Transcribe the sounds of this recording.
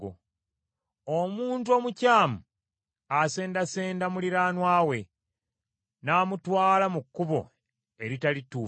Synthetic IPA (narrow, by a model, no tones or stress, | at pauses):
o̰ | omuːntuo̞ːmucaːmu | ase̞ːndase̞ːndamuliɾaːnwaːwe̞ | naːmutwaːlamukːuβo̞̰ | e̞ɾitalituː